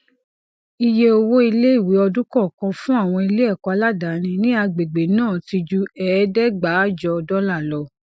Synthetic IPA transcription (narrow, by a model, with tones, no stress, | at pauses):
i˧je˧o˧wo˦i˧le˦i˦˨wi˨˦ɔ˧dũ˦kɔ˦˨kã˧fũ˦a˦˨w̃ɔ̃˧i˧le˦ɛ˦˨kɔ˨˧a˧la˦da˨˦nĩ˧nĩ˦a˧ɡ͡be˨ɡ͡be˨nãː˦˨ti˧d͡ʒu˦ɛː˨˦dɛ˦ɡ͡ba˨˦d͡ʒɔ˧ɔ˧dɔ˦la˦˨lɔ˧˦